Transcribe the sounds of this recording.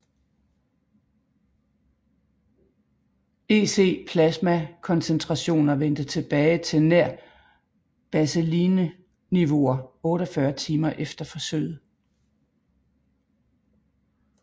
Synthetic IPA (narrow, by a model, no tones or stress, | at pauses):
e̝ːse̝̰ːpʰlæsmækʰɒ̽nsent͡sʰʁɑ̈ɕo̝̰ːnɐʋen̰d̥ət͡sʰe̝b̥ɛːɪt͡sʰe̝næɐ̰ | b̥æseliːnə | niʋo̝ɐɔ̽ːɾ̥ɒfɶɐt͡sʰiːmɐʔefd̥ɐfɒ̽søɪ̰ð̩ˠ